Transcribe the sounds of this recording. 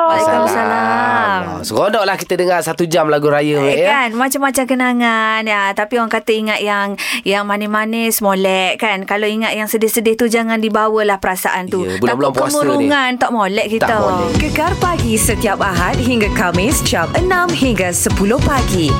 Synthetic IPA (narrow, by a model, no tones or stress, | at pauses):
sausalamsəkɔndɔʔlahkit̪ədəŋarsat̪ud͡ʒamlaɡuɾajəʔkanmat͡ʃamːat͡ʃakənaŋanjat̪apioaŋkat̪əiŋat̪̚jaŋjaŋmanɛhmanɛsmolɛʔkankaloiŋat̪̚jaŋsədɪhsədɪht̪ud͡ʒaŋãndibawəlahpəɾasa̰ʔant̪ubulabulaŋpkəamuɾuŋant̪ɔʔmolɛʔkit̪aəɡəɡarpaɡisət̪iapaɦat̪̚ɦiŋɡakamɪsd͡ʒamənãmhiŋɡasəpulʊhpaɡi